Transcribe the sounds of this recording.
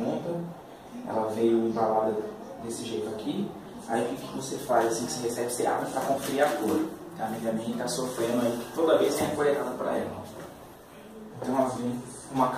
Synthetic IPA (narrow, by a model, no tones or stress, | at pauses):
ũt̪ɐ | ɛ̰lɐvejʊẽbalad̪ɐ | d̪esɪʒejt̪ʊakʰi | a̰ikikɪkɪvosefa̰zasĩkɪ̥sɪɦesɛbɪsea̰bɐ̃pɾakõfiɾiat̪ulʊ̃t̪ɐ̃w̃amiɡɐmĩt̪asofɾẽnd̪ʊaiɪ̥t̪od̪ɐveskẽkoɾet̪ad̪ʊpɾɐ̰ɛ̰lɐ̃ | ẽt̪ɐ̃w̃ɛɐvẽ | ũmɐk